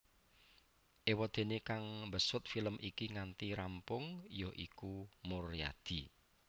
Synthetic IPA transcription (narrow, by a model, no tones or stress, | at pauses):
ʔewɔd̪̥e̤nekaŋbəsʊt̪̚filəmʔikiŋant̪iɾampʊŋjɔʔikumʊrja̰d̪̥i̤